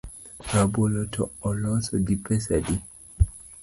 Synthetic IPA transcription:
ɾabolɔtʰɔɔlɔsɔɡipɛsadi

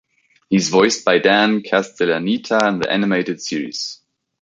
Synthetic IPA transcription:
hiɨzvɔɪsb̥aɪdæ̃nkʰæstʰɛlənitʰəə̃nðḭʔæ̰nɨmeɪɾɨd̥sɪiɹḭz̥

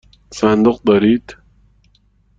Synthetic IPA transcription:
sand̪ʊq̚d̪aɾiːt̪

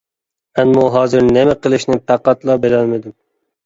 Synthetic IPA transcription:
anmɔːɦɑːzɪɾnemaqʰɨlˠɪʃnɪfaqːɑt̪lˠɑbelanmed̪ɪm

